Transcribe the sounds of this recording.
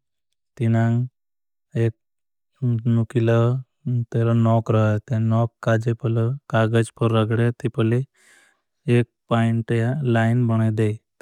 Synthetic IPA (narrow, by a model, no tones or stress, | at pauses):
t̪inãŋɡ | ek̚ | nukilə | t̪eɾɔnɔkɾəɦat̪ãnɔkːad͡ʒepələkaɡəd͡ʒpəɾːəɡɽet̪epəle | ek̚paiɳʈjalajnbəɽ̃ed̪ej